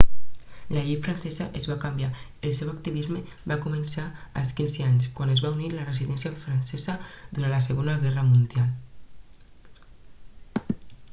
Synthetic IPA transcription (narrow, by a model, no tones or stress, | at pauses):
laʎejfɾansɛzəʔezβakambjaelsewakt̪iβ̞izme | βakumensaəlˠskinzeaɲskwanezβauniləreziðɛnsiafɾansɛzəðuɾanlaseɣonəɣɛrəmund̪jal